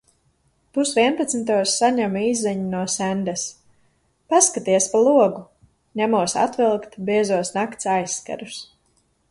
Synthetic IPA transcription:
pusvʲiɛnpat̪smit̪̬uɔsːaɲamizɛɲunuɔsænd̪ɛs | paskat̪iɛspalˠuɔɡu | ɲamuɔsa̰t̪vilˠkt̪biɛzuɔsnakt̪sajsːka̰ɾus

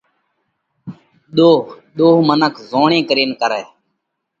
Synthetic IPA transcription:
ɗ̪oː | ɗ̪oːɦmənəkzoːɳẽːkɾiːnkəɾɛː

